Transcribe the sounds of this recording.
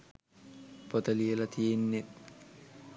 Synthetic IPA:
pot̪əlielat̪ʰijenːet̪̚

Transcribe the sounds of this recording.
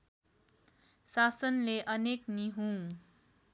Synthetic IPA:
sasʌnleʔʌnekniɦũ

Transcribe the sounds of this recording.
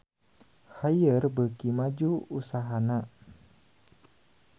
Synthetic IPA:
hajərbəkimad͡ʒuusaɦana

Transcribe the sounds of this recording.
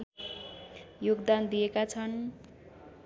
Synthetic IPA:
joɡd̪and̪ijekat͡sʰʌn

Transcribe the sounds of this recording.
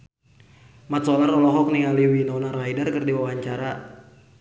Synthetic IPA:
mat̪̚sɔlarɔlɔɦɔk̚niŋaliwinɔnaraidarkərdiwawaɲt͡ʃaɾa

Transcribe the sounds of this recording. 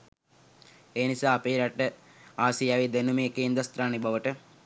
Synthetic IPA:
eːnisaːpeːɾaʈə | aːsijaʋid̪enumeːkeːnd̪ɾast̪ɾaːnibaʋəʈə

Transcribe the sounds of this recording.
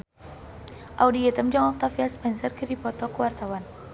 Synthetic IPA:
ʔawdiɛt̪əmd͡ʒaŋɔk̚t̪afiaspɛnsərkədipɔt̪ɔkəwart̪awan

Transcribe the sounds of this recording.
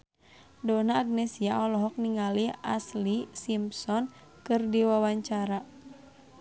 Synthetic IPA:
dɔnaːɡ̚nɛsiaɔlɔɦɔk̚niŋaliaslisimpsɔn | kɨrdiwawaɲt͡ʃaɾa

